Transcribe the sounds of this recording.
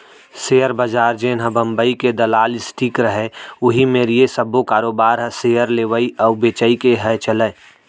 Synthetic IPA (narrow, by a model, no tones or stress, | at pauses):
seːəɾbəd͡ʒaːɾd͡ʒeːnɦəbə̃mbəiked̪ɐlaːlɪsʈʰiːkɾəɦeʊɦimeːɾijesəbokaːɾoːbaːɾɦɛseːəɾleːʋəiʔɐʊbeːt͡ʃəikeɦɛt͡ʃələː